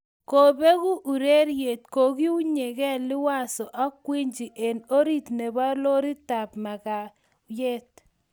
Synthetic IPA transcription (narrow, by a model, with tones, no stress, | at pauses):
ko˨be˦ɣu˦ʔu˨ɾe˦ɾje˨t̪ko˨ɣi˦u˦ɲe˨ɣɛ˦lɪ˦wa˦˨sɔ˨ʔa˦kwi˦ɲd͡ʒi˨ʔe˨no˦ɾi˦˨t̪ne˨ba˦lo˦ɾi˦ta˨pma˨ka˨ | je˦t̪̚